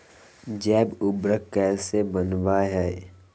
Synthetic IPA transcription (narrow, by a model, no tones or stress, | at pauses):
d͡ʒɛːbʊbɾəkkːɛːsebənʋaɦɛː